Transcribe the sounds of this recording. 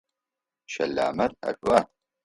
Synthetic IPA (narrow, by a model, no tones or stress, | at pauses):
ʃɐlːa̰ːmɐɾɐ̰kʼwɐ